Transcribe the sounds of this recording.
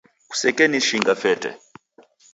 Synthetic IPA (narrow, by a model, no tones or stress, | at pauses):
ku̥sɛkɛniʃiŋɡafɛtʼɛ̰